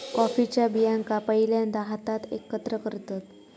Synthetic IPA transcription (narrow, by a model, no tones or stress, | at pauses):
kɔfit͡ɕjabijãŋkapəɦiljand̪aɦat̪at̪ḛkːət̪ɾəkəɾt̪at̪